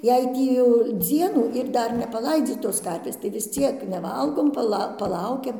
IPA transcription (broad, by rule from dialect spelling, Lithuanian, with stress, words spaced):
jɛɪ ˈtʲiː jɛʊ ˈd͡zʲiɛnuː ɪr ˈdɐr nʲɛpɐˈlˠɐɪd͡zʲiːtoːs ˈkɐrʲʋʲeːs tɐɪ ʋʲɪs ˈt͡sʲiɛk nʲɛˈʋɐlˠɡoːm pɐˈlˠɐ pɐˈlˠɐʊkʲɛm